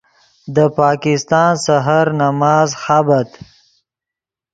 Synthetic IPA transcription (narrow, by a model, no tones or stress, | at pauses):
d̪əpɑːkɪst̪ɑːnsaɦaɾnamɑːzxabat̪